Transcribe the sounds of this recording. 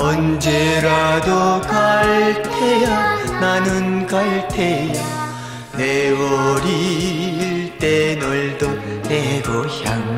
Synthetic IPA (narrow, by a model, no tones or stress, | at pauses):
ʌnd͡ʑeɾadokaɭtʰejananɯnkaɭtʰeja | newʌɾi | ɭt̪enʌɭdoneɡoçjaŋ